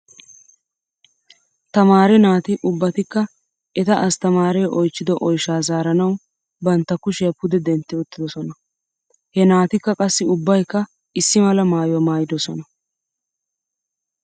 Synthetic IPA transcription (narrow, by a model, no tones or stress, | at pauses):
t̪ɐmaːɾɛnaːt̪ɪʔʊbːɐt̪ɪkːɐ | ʔɛt̪ɐʔɐst̪ɐmaːɾɛjʔɔjt͡ʃːɪd̪ɔʔɔjʃaːzaːɾɐnɐw | bɐnt̪ːɐkːʊʃɛjɐpːʊd̪ɛd̪ɛnt̪ːɛʊt̪ːɪd̪ɔsɔnɐ | hɛnaːt̪ɪkːɐkʼɐsːɪʊbːɐjkːɐ | ʔɪsːɪmɐlɐmaːjʊwɐmaːjɪd̪ɔsɔnɐ